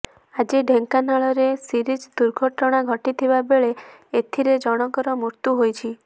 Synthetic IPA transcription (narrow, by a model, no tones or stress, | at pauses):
ad͡ʒiɖʱeŋkanaɭɔɾesiɾid͡ʒd̪uɾɡʱɔʈɔɽ̃aɡʱɔʈit̪ʰibabeɭeet̪ʰiɾed͡ʒɔɽ̃ɔkɔɾɔmuɾt̪juɦojt͡ʃʰi